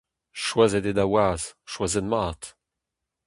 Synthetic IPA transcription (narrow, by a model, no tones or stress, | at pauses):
ʃwazɛded̪awaːzʃwazɛdmaːt̪